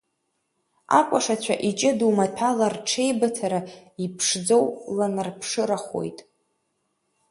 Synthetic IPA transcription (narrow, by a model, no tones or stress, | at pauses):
a̰kʷʼaʂat͡ɕʷʰa̰ʔit͡ʃʼɪdumatʰalarʈ͡ʂʰe̞jbatʰaɾaipʰʂd͡zowlanɨrpʰʂɨɾaχo̞̰jtʼ